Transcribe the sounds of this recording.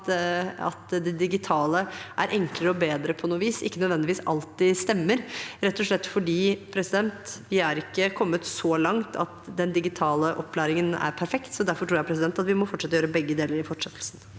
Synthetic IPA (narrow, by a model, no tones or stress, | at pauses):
ɑ̰t̪d̪ɛd̪ɪɡɪt̪ʰɑːləʔæ̰ɾʔɛŋkləɾəɔbeːd̪ɾəpʰɔnuːʋiːsɪ̰kːənœd̪ʋɛnd̪ɪʋiːsɑ̰lt̪ɪst̪ɛmːəɾɾɛt̪ːɔʂɭɛt̪ːfɔɖiːpʰɾɛsɪd̪ɛnt̪ʋɪæɾɪkːəkʰɔmːət̪sɔlɑŋt̪ʰɑ̰t̪d̪ɛnd̪ɪɡɪt̪ʰɑːləʔɔpːlæːɾɪŋənæ̰ɾpʰæɾfɛkt̪sɔd̪æɾfɔʈʰɾuːɾjæɪpʰɾɛs̬d̪ɛnt̪ɑt̪ʋɪmɔfɔʈːʂɛt̪ːɔjøːɾəbɛɡːəd̪eːləɾɪfɔʈʂɛt̪ʰːl̩sn̩